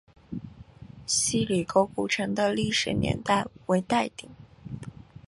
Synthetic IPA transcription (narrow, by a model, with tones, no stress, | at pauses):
ɕi˥˩li˨˩ko˧˥ʊku˨˩ʈ͡ʂʰɤ˧˥ŋd̪ə˧li˥˩ʂɻ̩˨˩njɛ̰˧˥nt̪a˥˩ɪwe˧˥ɪt̪a˥˩ɪt̪i˨˩˦ŋ